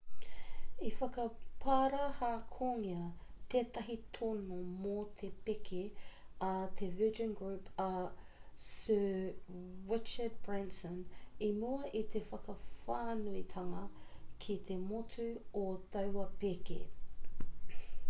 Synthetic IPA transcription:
ifɐkɐpʰaːɾahaːkʰoŋiɐt̪eːt̪ɐɦit̪ʰonomot̪ʰepekʰeɐt̪ʰevɪʒə̃nɡɹʉpɐ | sɜː | ɹɪt͡ʃəd̚bɹɛnsənimoɐʔit̪ʰefɐkɐfaːnuit̪ʰɐŋɐkʰit̪ʰemotʰuot̪ɐwɐpekḛ

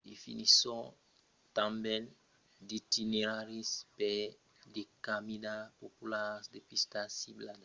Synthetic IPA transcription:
d̪efḭnisõ | t̪ãmbɛ̃n | d̪it̪ineɾaɾispe | d̪ekamid̪apopulasd̪epist̪asiblad̪a

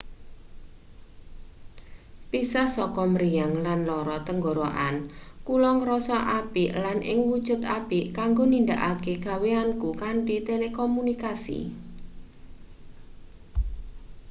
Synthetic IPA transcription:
pisahsɔkɔməɾijaŋlanlɔɾɔt̪əŋɡoɾoʔankulɔŋɾɔsɔʔapiʔlanʔɪ̰ŋwud̥ʒ̥ʊ̤t̪apikaŋɡonind̪aʔakeɡ̥a̤weankukanʈit̪elekɔmunikasḭ

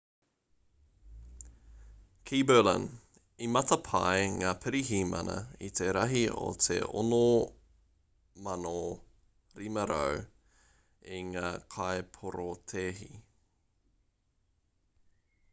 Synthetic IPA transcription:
kʰibələ̰n | imɐt̪ɐpʰɐjŋaːpʰɪɾiɦiːmɐ̰nɐ̰it̪ʰeɾɐɦio̰t̪ʰḛo̰no | mɐno | ɾimɐɾo̰w | iŋaːkʰaepʰoɾot̪ʰeːɦi

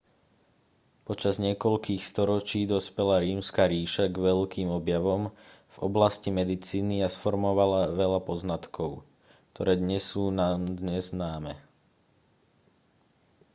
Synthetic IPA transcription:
pɔt͡ʃazɲɪɛkɔʎkiːxst̪ɔɾɔt͡ʃiːd̪ɔspɛlaɾiːmskaɾiːʃaɡʋɛʎkiːmɔbjaʋɔm | v̥ɔblascimɛd̪it͡siːniasfɔɾmɔʋalaʋɛʎapɔznat̪kʰɔʊ | k̚t̪ʰɔɾɛːd̪ɲɛsːuːnaːmd̪ɲɛznaːmɛ

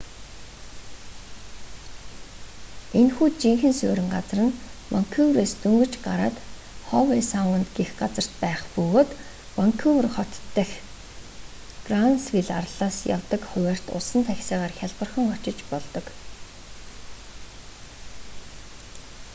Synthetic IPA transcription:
enxuːt͡ɕiŋxɘ̆nsʊːɾɪ̆ŋɢat͡srə̆nwaŋkʰuwreːst̪ɵŋɡɵ̆t͡ɕɢaɾa̰ːt̪χɔwesaŋʊnt̪ɡexɢat͡sə̆r̥t̪pæːχpɵɣoːt̪ | waŋkʰuwrχɔt̪ʰːæ̆x | ɡranswiɮarɮaːsja̰wt̪ə̆kχʊwʲæːr̥t̪ʊ̰ɮsə̆nt̪ʰæxʲsæːʁaːrxʲjaɮpə̆rχɞ̆ŋɔt͡ɕɪ̆t͡ɕpɔɮt̪ɞ̆k

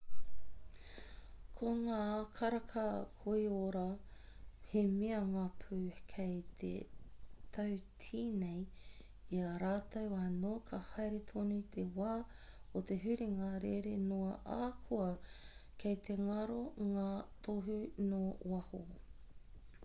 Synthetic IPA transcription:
kʰoŋaːkʰɐɾɐkʰɐkʰoioɾa | hemiɐŋaːpʰʉːkʰejt̪ʰḛt̪ʰɐwtʰiːnej | iɐɾaːt̪ɐwanoːkʰɐhɐjɾet̪ʰonuit̪ʰewaː | ot̪eɦʉɾiŋɐɾeɾenoɐʔakʰuɐkʰejt̪ʰeŋɐɾoŋaːt̪ʰoɦʉnoːwɐho

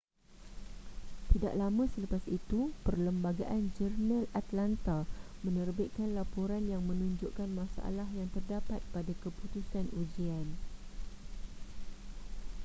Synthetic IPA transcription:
t̪ida̰ʔlamə̃sələpasit̪upərləmbaɡaʔand͡ʒərnãlat̪lant̪amə̃nərbɪʔkanlapoɾanjaŋmə̃nũɲd͡ʒoʔkanmãsaʔa̰laɦjaŋt̪ərdapat̪̚padakəput̪usanud͡ʒian

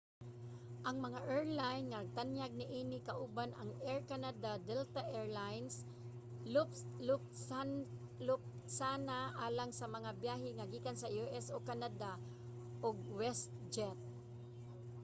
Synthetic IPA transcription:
ʔɐŋmɐŋaʔɛɹlajnŋɐɐɡ̚t̪anjaɡ̚nɪʔiːnɪkaʔuːbanɐŋɛɹkanad̪ad̪ɛlt̪aʔɛɹlajns | lʊplʊp̚ | lʊp̚ | sanaʔaːlaŋsɐmɐŋabjaːɦɪŋaɡiːkansɐjuʔɛsokanad̪a | ʔoɡ̚wɛst̪̚ | d͡ʒɛt̪̚

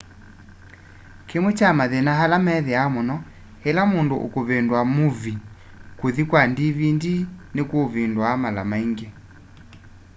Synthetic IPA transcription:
kemwɛt͡ʃamaðɛnaɦalamɛðɛamɔnɔ | hɛlamondoʔo̰koβendwamuvi | kuðikwandiβindinekoːβendwamala̰maiŋɡɛ

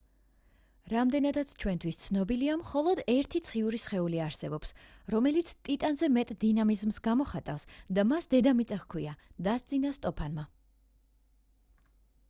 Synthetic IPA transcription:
ɾamd̪ɛnad̪at̪sʰt͡ʃʰwɛnt̪ʰwist̪sʰnɔbiliamχɔlˠɔd̪ɛɾt̪ʰit̪sʰχiuɾisχɛuliaɾsɛbɔpsɾɔmɛlit̪sʰt̪ʼit̪ʼanzɛmɛt̪ʼd̪inamizmsɡamɔχat̪ʼafsd̪amasd̪ɛd̪amit̪sʼɛχkʰwiad̪ast̪zʼinast̪ʼɔpʰanma

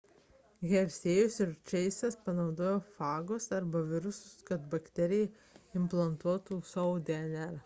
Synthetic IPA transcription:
ɣʲɛɾʲsʲeːjʊsʲɪɾt͡ʃʲɛɪsʲɛspɐnɒʊd̪oːjoːfɑːɡosɐɾbɐʋʲɪɾʊsʊskɐt̪bɐkt̪ʲɛɾʲɪjɛ | ɪmplˠɐnt̪uɔt̪uːsɔʊd̪ʲɛnʲɛɾ

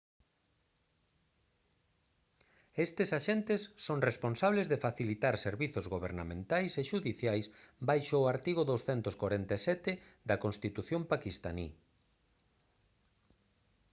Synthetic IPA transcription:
est̪esaʃent̪esːoŋresponsaβlezðefaθilit̪aɾseɾβiθʊzɣoβeɾnamẽnt̪ajseʃuðiθjajsbajʃoaɾt̪iɣ̞ʊðowsθɛnt̪ʊskwaɾent̪asɛt̪ɪd̪ɐkõnst̪it̪uθjompakist̪anḭ

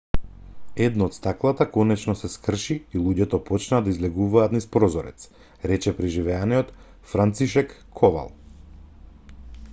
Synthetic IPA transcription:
ɛd̪nɔːt̪st̪aklˠat̪akɔnɛt͡ʃnɔsɛskr̩ʃiːlˠuɟɛt̪ɔpɔt͡ʃnad̪aizlɛɡuvaːt̪nispɾɔzɔɾɛ̰t̪s | ɾɛt͡ʃɛpɾiʒivɛaniɔt̪ | fɾant̪siʃɛkːʰɔva̰lˠ

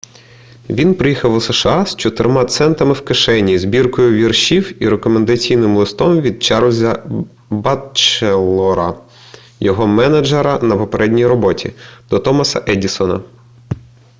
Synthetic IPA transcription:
ʋʲinpɾɪjixɐwuseʃɑst͡ʃɔt̪ɪɾmɑt̪sɛnt̪ɐmɪwkeʃɛnʲizbʲirkɔjʊʋʲirʃiwiɾekɔmend̪ɐt͡sʲijnɪmlˠɪst̪ɔmʋʲid̪̚t͡ʃɑɾwzʲɐ | bat͡ʃelˠɔɾɐ̰ | jɔɦɔmɛnɐd͡ʒeɾɐnɐpɔpeɾʔɛdʲnʲijɾɔbɔtʲʰḭd̪̥ɔt̪ɔmɐsɐ̰ʔɛdʲisɔnɐ̰

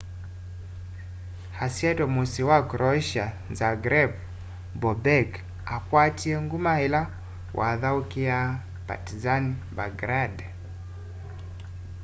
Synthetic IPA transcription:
hasiɛtɔmusiwakɾʔɔʃa | zaɡɾɛb | bɔbɛk | akwatiɛŋɡumaɛla | wʔa̰ðaukia | pa̰tizanibaɡɾad

